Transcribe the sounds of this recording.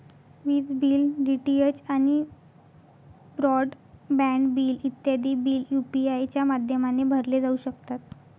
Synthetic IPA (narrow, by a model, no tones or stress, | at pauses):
ʋiːt͡sbiːlɖiʈiet͡ɕañi | bɾɔɖ | bɛ̃ɳɖbiːlit̪ːjad̪iːbiːljupiajt͡ɕjamad̪ʱjəmanebʱəɾled͡zauɕəkt̪at̪̚